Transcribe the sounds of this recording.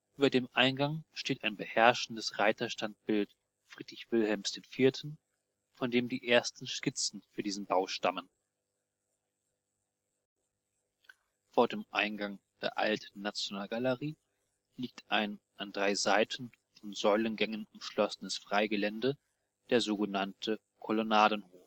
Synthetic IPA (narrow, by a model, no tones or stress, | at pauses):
ʔyːbɐdeːmʔaɪnɡaŋʃteːtaɪnbəhɛɐʃn̩dəsʁaɪtɐʃtant̚b̥ɪlt | fʁ̥iːdʁɪçv̥ɪlhɛlmsd̥eːnfiːɐtʰn̩ | fɔndeːmdiːʔeːɐstn̩ʃkɪt͡sn̩fyːɐdiːzn̩baʊʃta̰mən | foːɐdeːmʔa̰ɪnɡaŋd̥ḛːɐʔa̰ltʰn̩ːat͡sjonaːlɡaləʁiː | liːk̚tʰʔaɪn | ʔandʁaɪzaɪtʰn̩ | fɔnzɔʏlənɡɛŋənʊmʃlɔsənəsfʁ̥aɪɡəlɛndə | d̥eːɐzoːɡənantʰə | kʰolonaːdn̩hoːf